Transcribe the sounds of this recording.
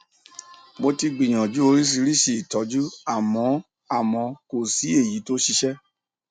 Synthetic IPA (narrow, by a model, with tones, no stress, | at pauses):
mo˧ti˧ɡ͡bĩ˨j̃ã˨d͡ʒu˦o˧ɾi˦s̬i˧ɾi˦ʃi˦˨tɔ˨˦d͡ʒu˦a˦˨mɔ̃˨˦ | a˦˨mɔ̃˨˧ko˦˨si˨˦e˦˨ji˨˦to˦ʃi˧ʃɛ˦